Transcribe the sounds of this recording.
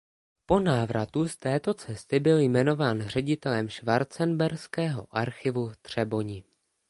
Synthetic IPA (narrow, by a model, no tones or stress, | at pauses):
po̞naːvɾat̪ust̪ɛːt̪o̞t͡sɛst̪ɪbɪljmɛno̞vaːnr̝ɛɟɪt̪ɛlɛmʃvaɾt͡sɛnbɛɾskɛːɦo̞̰ʔaɾxɪvuft̪r̝̥ɛbo̞ɲɪ